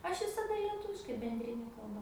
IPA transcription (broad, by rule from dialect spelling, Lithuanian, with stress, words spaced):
ˈɐʃ ʋʲɪsɐˈdɐ lʲiɛˈtʊʋʲɪʃkɐɪ bʲɛnʲdʲrʲɪˈnʲɛ kɐlˠˈbɐ